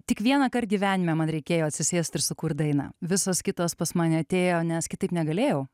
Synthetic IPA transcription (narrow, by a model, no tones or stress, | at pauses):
t̪ʲɪkʋʲiɛnɐkɐrt̚ɡʲiːʋʲæːnʲɪmʲɛmɐnɾʲɛɪkʲeːjoːɐt̪ʲsʲɪsʲeːsʲt̪ɪɾsʊkurt̪̚d̪ɐɪnɑ̰ːʋʲɪsoːskʲɪt̪oːspɐsmɑːnʲɪɐt̪ʲeːjoːnʲɛskʲɪt̪ɐɪpnʲɛɡɐlʲeːjɛʊ